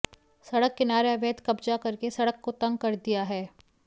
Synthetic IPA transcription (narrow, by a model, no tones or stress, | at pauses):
sɐɽəkːenaːɾeɐʋeːt̪kɐbd͡ʒakɐɾkesɐɽəkːot̪ɐ̃ŋɡ̚kɐɾd̪ijaɦɛː